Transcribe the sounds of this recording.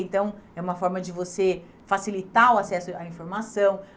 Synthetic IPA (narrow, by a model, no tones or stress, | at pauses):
ẽnt̪ɐ̃w̃ɛũmɐfɔɾmɐd͡ʒɪvose | fasilit̪aʊasɛsʊaĩfoɾmasɐ̃w̃